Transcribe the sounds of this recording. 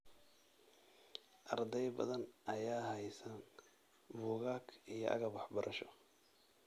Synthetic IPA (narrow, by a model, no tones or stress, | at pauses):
ʔɐrd̪ɛjbɐ̰ðɐnʔɐjaːɦɐjsɐn | bʊːɣaːkʰijɔ̰ʔɐ̰ɣɐbɑħbɐɾʔɐʃɔ̥